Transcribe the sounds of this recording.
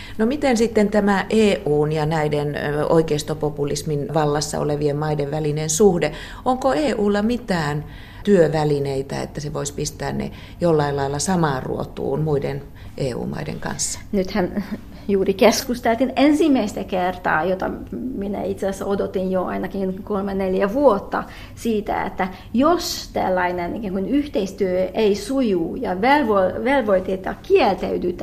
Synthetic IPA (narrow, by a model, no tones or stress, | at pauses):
nomit̪ensit̪ːent̪æmæʔeːʔuːnjɑnæideno̰ikeist̪opopulisminʋɑlːɑsːɑ̰o̰leʋiemmɑideʋʋælinensuhde | oŋkoeːʔuːlːɑmit̪æːn | t̪yøʋælineit̪æ̰ḛt̪ːæseʋoispist̪æːnnḛ | jolːɑilɑilːɑsɑmɑːrṵo̰t̪ṵːnmuiden | ʔeːṵːmɑ̰idḛŋkɑ̰nsːɑ̥nyt̪hæn | juːrikeskust̪elt̪inensimːæist̪ækert̪ɑ̰ːjot̪ɑ̰minæ̰it̪sesːæod̪ot̪injoɑ̰inɑkinkolmeneljæʋuot̪ːɑ | siːt̪æ̰ḛt̪ːæ | jost̪æ̰lːɑinenikæːŋkunyht̪eist̪yøeisujuːjɑʋelʋolʋelʋoit̪iet̪ːjɑkielt̪æyd̪yt̪